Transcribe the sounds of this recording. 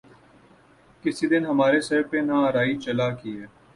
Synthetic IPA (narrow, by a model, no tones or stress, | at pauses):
kɪsid̪ɪnɦəmaːɾesɐɾpenaəɾaːit͡ʃəlaːkiɛː